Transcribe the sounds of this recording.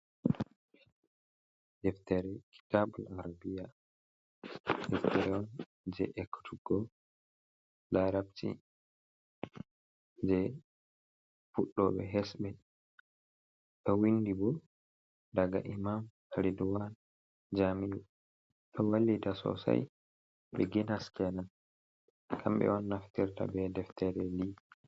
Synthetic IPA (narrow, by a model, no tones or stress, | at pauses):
dɛftɛɾɛkʰi̥tabulaɾabija | dɛftɛɾɛɔn | d͡ʒɛ̰ʔɛkːtʰuɡɔ | laɾabtḭ | d͡ʒɛ | fuɗːɔɓɛ̰ɦɛsbɛ | ɗɔwindibɔ | daɡa̰ʔimam | aɾiduwan | d͡ʒamiwɔ | ɗɔwalːidasɔ̰sa̰j | ɓɛɡinhaskɛnan | kʰamɓɛ̰wɔnːaftiɾta̰bɛdɛftʰɛɾɛli